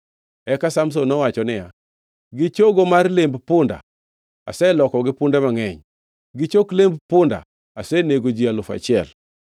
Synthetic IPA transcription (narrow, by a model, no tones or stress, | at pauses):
ɛkasams̬onɔwat͡ʃɔnɪja | ɡɪt͡ʃoɡomarlembpʊnda̰ | a̰sɛlɔkɔɡɪpʊndɛmaŋɛɲ | ɡɪt͡ʃoklembpʊnda̰ | asɛneɡod͡ʒialʊfa̰t͡ʃɪɛ̰l